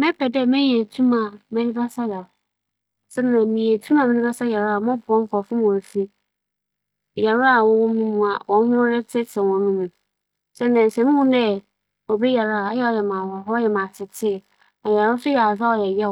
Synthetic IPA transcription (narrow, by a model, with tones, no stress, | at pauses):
mɛ̃˦pʰɛ˨dɛ˦mɛ̃˦ɲ˦ɛ˨tʰu˦mã˨mɛ̃˨nĩ˦ba˦sa˦ja˨ | sɛ˦n˦ã˨mĩ˨e˨tʰũ˦mã˨mɛ̃˦nĩ˦ba˦sa˦ja˨ɾa˨mɔ̃˦bɔ̃˦m̩˦kɔ˨fɪ̃˦m˨ɔ̃˨fi˦ | ja˨ɾʊ˦a˨wɔ̃˦wɔ̃˦mũ˦mũ˨a˨wʔɔ̃˨n˦hʊ̃˦ɾɛ˦tʰɪ˦sʰɛ̃˨wɔ̃˨nũ˦nũ˨ | sɛ˦nã˨n̩˨sɛ̃˨mĩ˦hʊ̃˦dɛ˦ | o˨bɛ˦ja˨ɾa˦a˨a˦jɛ˦ɔ˨jɛ˨mã˨wɔ˨ɦɔ˦jɛ˨mã˨sʰɪ˨tʰɪ˦˨ | nã˨ja˨ɾʊ˦sʊ˦jɛ˨a˨za˦wɔ˨jɛ˨jɛ˦˨